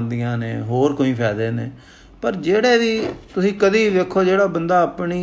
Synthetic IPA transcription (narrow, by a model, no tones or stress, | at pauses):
nd̪ijãːneːɦoːɾkoːĩːpʰɛːd̪eːneː | pəɾd͡ʒeːɽeːd̪iːt̪ʊsĩːkəd̪iːd̪eːkʰːoːd͡ʒeːɽaːbənd̪aːəpɳiː